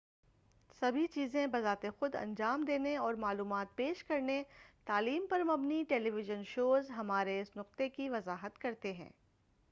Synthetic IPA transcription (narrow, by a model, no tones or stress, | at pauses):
sɐbʱit͡ʃiːzẽbɐzaːt̪exʊd̪ɐ̰̃nd͡ʒaːmd̪eːneɔːɾmaːluːmaːt̪̚peːʃkɐɾnet̪aːliːmpɐɾmɐbniʈeːliʋɪʒənʃoːzɦɐmaːɾeɪsnʊq̚t̪ekiʋɐzaːɦət̪kɐɾt̪eɦɛ̰̃ː